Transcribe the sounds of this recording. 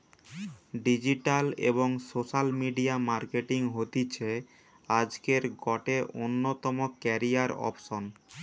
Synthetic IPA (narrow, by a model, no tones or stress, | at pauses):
ɖid͡ʑiʈalḛboŋsoʃalmiɖiamaɾkeʈiŋɦot̪it͡ɕʰe | ad͡ʑkeɾɡɔʈeʔonːot̪ɔmokɛɾiaɾɔ̰pʃon